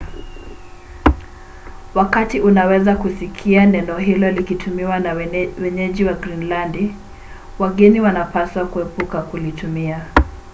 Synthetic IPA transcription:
wakatiunawɛzakusikʰianɛnɔɦilɔlikitʰumiwanwɛɲɛʄiwaɡɾinlandi | waɠɛniwanapaswakuɛpukakulitumia

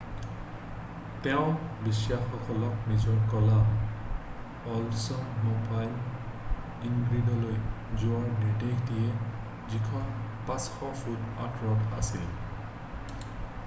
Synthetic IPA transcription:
tɛʊ̃bisjaxɔkʰɔlɔknizɔɹkɔla | ɔlsɔnmɔpajl | iŋɡɹidɔloj | zʊaɹdeteɡdiɛ | zikʰɔnpasxɔfudatɹɔka̰sil

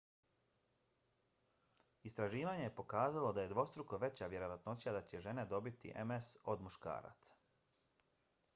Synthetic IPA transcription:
ist̪ɾaʒiːʋaɲe̞jepo̞kaːzalˠo̞d̪aje̞d̪ʋo̞st̪ɾukoʋe̞t͡ɕaʋje̞ɾo̞ʋat̪not͡ɕiad̪at͡ɕe̞ʒe̞ne̞d̪o̞bit̪ḭʔḛmeso̞d̪muʃka̰ːɾa̰t̪sḁ

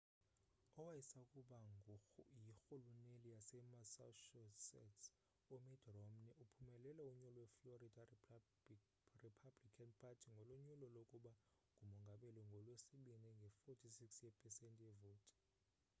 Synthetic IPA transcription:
ɔwajisakʼuɓa | jixulunelijasɛmasa̰ʃɔsɛ̰t | umidrɔmniupʰumɛlɛlauɲulɔwɛfloridʰʼa | ripʰablikʰanpʰʼatʰiŋɡʱɔluɲulɔlokʼuɓa | ŋɡʱumɔŋɡʱaɓɛlɔŋɡʱɔlwesiɓinɛŋɡʱɛfotʰisiksjɛpʰʼɛsɛntʼjɛvoːtʰʼi̥

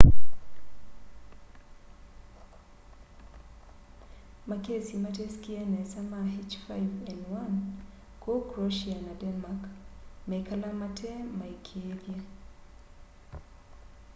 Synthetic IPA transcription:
makesimatɛskiɛnɛsamaɦet͡ʃfajvɛnwan | kokɾoʃianadɛnmakmɛkalamatʰɛmaikʰiedje

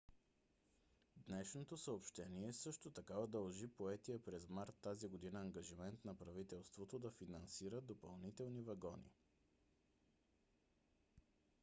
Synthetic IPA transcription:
d̪nɛʃnot̪osəopʃt̪ɛniɛsɤʃt̪ot̪ɐkavɐd̪ɐlˠʒipoɛt̪ijəpɾɛzmaɾt̪ːaziɡod̪inəːŋɡɐʒimɛnt̪nɐpɾɐvit̪ɛlˠst̪vot̪od̪ɐfinɐnsiɾəd̪opɐlˠnit̪ɛlˠnivɐɡɔnḭ

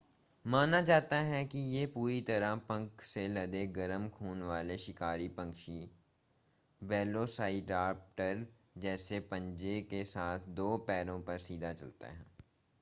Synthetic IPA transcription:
maːnad͡ʒaːt̪aɦɛkijepuːɾit̪ɐɾãpɐ̃ŋkselɐd̪eɡɐɾəmkʰuːnʋaːleʃɪkaːɾipɐ̃ŋkʃi | ʋɛːlosaːɪɖaːp̚ʈəɾ | d͡ʒɛːsepɐ̃ɲd͡ʒekesaːt̪ʰd̪oːpɛːɾõpɐɾsiːd̪ʱat͡ʃɐ̰lt̪a̰ɦɛ̰̃ː

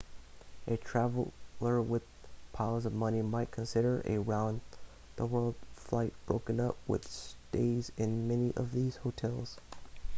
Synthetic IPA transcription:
ʔɨtʰɹ̥ævl̩ˠə˞wɪð̥pʰaʊəzʌvmʌnimaɪt̚kʰn̩sɪɾə˞ʔɨ̰ɹãʊ̃n | ðəwɜ˞lˠd̥flaɪt̚b̥ɹoʊkɨ̃nʌp̚wɨ̰ðsteɪzɪ̃nmɛniʔʌ̰vðiz̥hoʊtʰɛlˠz̥

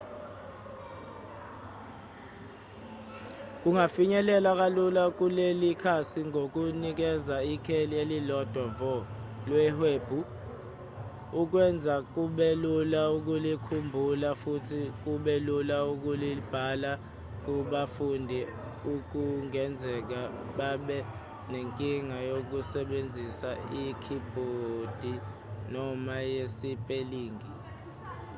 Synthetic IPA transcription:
k̬uŋafiɲɛlɛlak̬alulak̬ulelikʰasiŋok̬unik̬ɛzaikʰelielilɔd̥ʱwavɔlwɛɦeːb̥ʱu | uk̬wɛnd͡zʱak̬uɓelulauk̬ulikʰumbʱulafutʰik̬uɓelulauk̬ulib̥ʱala | k̬uɓafundʱi | uk̬uŋɛnd͡zʱɛk̬a | ɓaɓɛ | neŋkʼiŋajok̬usɛɓend͡zʱisaikʰib̥ʱod̥ʱi | nɔmajesipʼeliːŋi

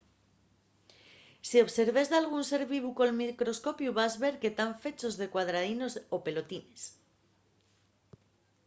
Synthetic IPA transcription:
sio̞βse̞ɾβe̞zðealɣ̞unse̞ɾβiβuko̞lmikɾo̞sko̞pjuβazβe̞ɾke̞t̪aɱfe̞t͡ʃo̞zðe̞kwaðɾaðino̞sope̞lo̞t̪ine̞s

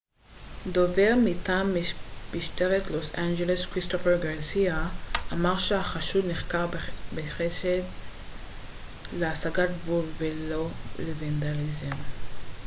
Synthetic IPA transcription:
d̪o̞veʁmitamːib̥iʃteʁetlo̞sand͡ʒeleskʁist̪ofeʁɡaʁsiaʔːmaʁʃeaχaʃudniχkaʁbeχesed | leasaɡat̚vulvelolevend̪alizem

